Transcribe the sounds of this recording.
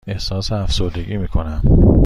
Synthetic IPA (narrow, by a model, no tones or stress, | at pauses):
e̞hsɒːseæfsoɾd̪e̞ɡiːmiːkʰo̞næm